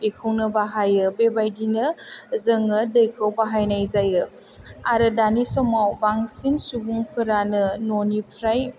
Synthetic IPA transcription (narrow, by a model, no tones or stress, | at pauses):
pekʰɯwnɐbaɦajɯbebajdinɐzɐŋədɯjkʰawbaɦajnajzajɯ | aɾɯdanisɔmawbaŋsinsubuŋpʰɯɾanɯnonipʰɾaj